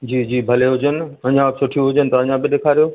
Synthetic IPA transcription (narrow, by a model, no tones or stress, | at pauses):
d͡ʑiːd͡ʑiːbʱɐleɦʊd͡ʑənɪ̆ɐ̃ɲãbsʊʈʰijũɦʊd͡ʑənɪt̪ɐɐ̃ɲãbiɗeːkʰaːɾijoː